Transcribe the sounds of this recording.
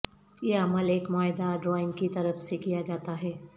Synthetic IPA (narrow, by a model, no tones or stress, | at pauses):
jeɐməleːkmaːjd̪aɖɾɔːɪ̃ŋɡkit̪ɐɾəfsekijad͡ʒaːt̪aɦɛː